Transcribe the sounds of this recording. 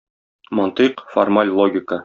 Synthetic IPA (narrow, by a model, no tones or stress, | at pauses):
mɒnt̪ɨqformalʲlˠoɡʲɪkə